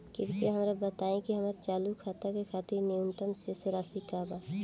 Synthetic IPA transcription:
kɪɾkeɦəmɾabət̪aẽkiɦəməɾt͡ʃaːlukʰaːt̪akekʰaːt̪ɪɾniunt̪əmseseɾasikabaː

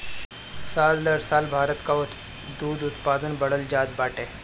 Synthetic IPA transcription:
saːld̪əɾsaːlbʱaːɾət̪kaʊ | d̪uːd̪ʊt̪paːd̪ənbɐɽəld͡ʒaːd̪baːʈeː

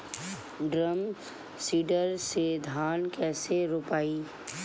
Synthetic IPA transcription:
ɖɾəm | siːɖəɾsed̪ʱaːnkɛːseɾoːpaːiː

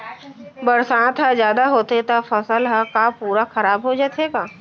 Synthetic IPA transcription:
bəɾsãːt̪ɦazjaːd̪aɦoːt̪et̪afəsəlɦakapuːɾaxɐɾaːbɦod͡ʒaːt̪eːɡaː

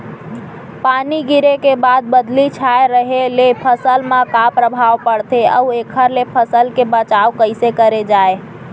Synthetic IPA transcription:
paniɡiɾekebad̪̚bəd̪lit͡ʃʰaeɾəɦelepʰəsəlmãkapɾəbʱaʋpəɽt̪ʰeəuekʰəɾlepʰəsəlkebət͡ʃaʋkəɪsekəɾed͡ʒae

